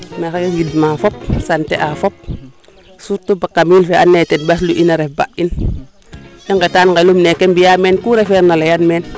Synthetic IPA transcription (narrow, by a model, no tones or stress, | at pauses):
meɾekewidmafop̚santeʔafop̚ | suɾtubakːamilfeʔanːetenbas̬luʔinaɾefba̰ʔin | iŋɡetanŋɡelumnekembijamenkuɾefeɾnalajanmeːn